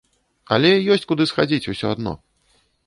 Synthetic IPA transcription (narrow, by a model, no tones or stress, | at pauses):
ɐ̰lʲɛjɔsʲt͡sʲkud̪ɨsxad͡zʲit͡sʲusʲɔad̪nɔ̰